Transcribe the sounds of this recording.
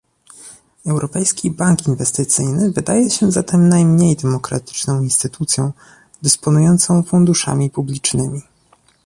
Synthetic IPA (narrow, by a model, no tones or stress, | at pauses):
ɛwɾʔɔpɛjskʲibaŋkinvɛst̪ɘt̪sɘjnɘvɘd̪ajɛɕɛzat̪ɛmnajmɲejd̪ɛmɔkɾa̰t̪ɘ̥t͡ʂnɔ̃w̃inst̪ɘt̪ut̪sʲjɔ̃w̃ | d̪ɘspɔnujɔnt̪sɔ̃w̃fund̪uʂa̰mʲipublʲit͡ʂnɘmʲi